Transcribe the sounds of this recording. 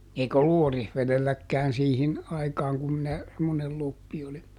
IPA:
eik olːu orihʋeðelːækːæːn siːhin ɑikɑːŋ kum minæ semːonel lopːi oli

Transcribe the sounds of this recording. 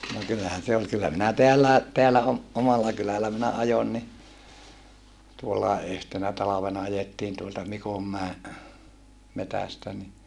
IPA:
no kylːæhæn se ol kylːæ minæ teælːæˑe teælːæ om omɑlːɑ kylælˑæ minæ ɑjon ni tuolːɑˑe yhtenæ tɑlɑʋenɑ ɑjetːiːn tuoltɑ mikomːæe metæstæ ni

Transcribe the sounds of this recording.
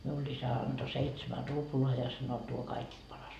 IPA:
miulː isæ ɑnd̥o seitsemæ ruploɑ jɑ sɑno tuo kɑikist pɑrɑs

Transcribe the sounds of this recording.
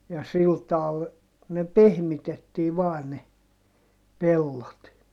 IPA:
jɑ sil tɑːl ne pehmitetːiː ʋɑːn ne pelːot

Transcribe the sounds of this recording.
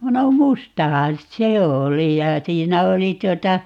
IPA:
no mustɑhɑn se oli jɑ siːnæ oli tuotɑ

